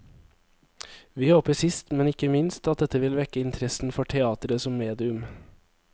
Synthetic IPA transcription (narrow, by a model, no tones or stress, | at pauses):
ʋiːhoːpəsɪst̪mɛnɪkəmɪnst̪ɑt̪̚d̪ɛt̪əʋɪlʋɛkəɪnt̪ʰɾɛsn̩fɔʈʰɛɑːt̪əɾəsɔmːeːd̪ɪʉm